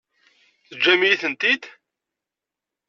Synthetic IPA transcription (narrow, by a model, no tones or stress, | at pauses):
θəd͡ʒːæmijiθənt̪id̪